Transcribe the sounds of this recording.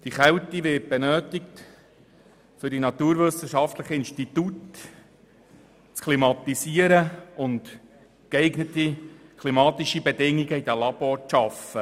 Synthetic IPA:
d̥iχɛwtiʋɪt̚b̥ɛnøːtɪk̚t | fʏɾdinɑt̪uːɾʋʏsəʃɑft̪ləχəɪnstitut | t͡skʰlimɑt̪isiəɾəʊnt | kɛɪɡnətikʰlimɑːt̪iʃibɛdɪŋːiɡəid̥əlɑbɔɾt͡sʃɑfə

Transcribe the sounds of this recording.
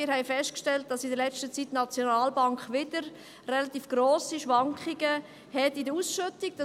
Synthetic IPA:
ɪɾɦɛɪfɛstkʃtɛlt̚d̥ɑsɪndəɾlɛt͡stət͡sitnɑt͡sjonaːlbɑŋkχʋɪd̥əɾ | rɛlɑt̪iːfɡ̥roːsiʃʋɑŋkχiɡə | hɛtidəusʃøtiɡ̚d̥ɑ

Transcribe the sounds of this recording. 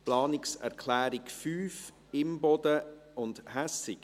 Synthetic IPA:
plɑːnɪksɛ̰ɾkʰlæːɾɪkfyːf | ɪmbɔd̥̪əʊndhæsɪk

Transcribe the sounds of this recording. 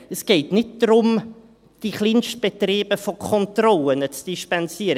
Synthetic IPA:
əsɡ̥eɪtnɪt̚d̥ɾʊm | d̥iχliːnʃt̚b̥etriːb̥əfokʰɔntrɔlənət͡sd̥iʃpɛnsiːəɾə

